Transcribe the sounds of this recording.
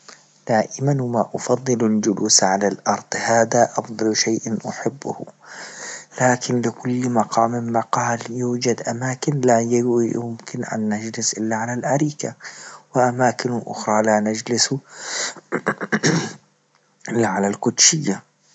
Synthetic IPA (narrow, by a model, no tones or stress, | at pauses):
d̪̥aːʔɪmanwɪmaʔʊfɑðˤːɨlald͡ʒʊluːsʕalalʔɑɾˤd̪̥ˤhaːðaʔɑfd̪ˤɑlʃajʔanʔʊħɪbːʊh | laːkɪnlɪkʊlːmɑqʰɑːmːɪmːaqɑːljuːd͡ʒad̪ʔamaːkɪnlajjʊmkɪnʔa̰nːad͡ʒlɪsʔɪlːaʕalalʔaɾiːkawɪʔamaːkɪnʔʊ̰xɾˤɑlanad͡ʒlɪsu | ʔɪlːaʕalalqʊd̪ʃɪjːa